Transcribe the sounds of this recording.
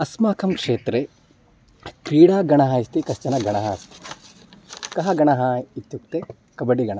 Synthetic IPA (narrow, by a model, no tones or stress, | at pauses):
ɐsmaːkʰɐmkʂeːt̪ɾe | kɾiːɽaːɡɐɳɐɦɐist̪ikɐst͡ʃɐnɐɡɐɳɐɦɐɐst̪i̥ | kɐɦɐɡɐɳɐɦɐit̪ːjuk̚t̪e | kɐbɐɖiɡɐɳɐ